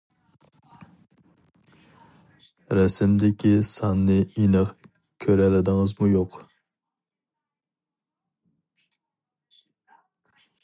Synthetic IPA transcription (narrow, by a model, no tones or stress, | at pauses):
ɾɛsɪmd̪ɪkʲisɑnːɨinəq | kʲʰøɾɛlɪd̪ɪŋəzmujoq